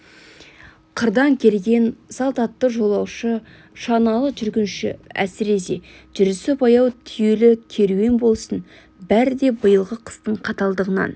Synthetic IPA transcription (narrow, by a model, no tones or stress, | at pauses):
qʰəɾd̪ɑŋkʲʰe̞lɡʲe̞nsɑlˠt̪ɑt̪ːəʒo̞lˠɑwʃə | ʃɑnɑlˠəqʒʏɾɡʲɪnʃɪ̰æ̰sɪɾe̞se̞̰ | ʒ̥ɪɾɪsɪpɑjɑwt̪ʰʏjelɪkʲʰe̞ɾuenbo̞lˠsən | bæɾɪd̪e̞bəjəlˠʁəqʰə̥st̪əɴqʰɑt̪ɑlˠd̪əʁənɑ̰n